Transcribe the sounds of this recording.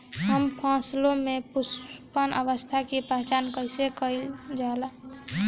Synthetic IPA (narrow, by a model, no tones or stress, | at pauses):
ɦəmpʰãːslõmepuspənʔəʋəst̪ʰakipaɦt͡ʃaːnkəɪsekəild͡ʒaːla